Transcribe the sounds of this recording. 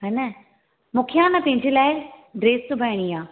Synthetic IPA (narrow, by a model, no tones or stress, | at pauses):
ɦɐnɐ | mũːkʰjãnɐpɐ̃ɦɪ̃ɲd͡ʑelaːɪɖɾeːst̪ʊbʱɐɪɽ̃iaː